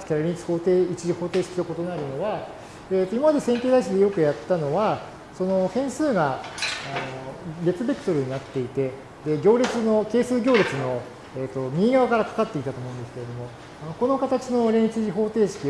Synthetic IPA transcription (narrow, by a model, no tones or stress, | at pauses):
kʲaɾaɾʲiɲit͡sɨ̥ho̞ːt̪eːit͡ɕiʑiho̞ːt̪e̞ːɕi̥kʲit̪oko̞t̪o̞naɾɯ̟no̞βa | et̪ːoimamad̪e̞sẽŋkʲe̞ːd̪aiɕ̬id̪e̞jo̞kɯ̟jat̪ːano̞βa | so̞no̞hẽ̞ɰ̃sɨːɡa | noɡʲe̞t͡sɨbʲeki̥t̪o̞ɾɯ̟ɲ̟inat̪ːe̞it̪e̞ | d̪e̞ɡʲo̞ːɾʲit͡sɨno̞ke̞ːsɨːɡʲo̞ːɾʲet͡sɨno̞ | eːt̪ːo̞mʲiːɡaβakaɾakḁkat̪ːeit̪at̪oːmo̞ɯ̃nd̪esɨ̥kee̞d̪o̞mo̞ | ano̞ko̞no̞kat̪at͡ɕino̞ɾẽ̞it͡sɨʑiɦo̞ːt̪e̞ːɕi̥kʲi